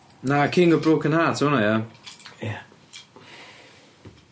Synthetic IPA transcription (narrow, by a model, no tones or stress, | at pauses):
nakʰɪːŋɡɔbroːkʰənhaːtʰuːnajaja